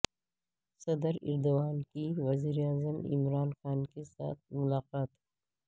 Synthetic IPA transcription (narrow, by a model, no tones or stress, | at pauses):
sɐd̪əɾɪ̰ɾd̪ʊɣaːnkiʋɐziːɾeaːzəmɪ̰mɾaːnxaːnkesa̰ːt̪̚ʰmʊlaːqaːt̪hɛ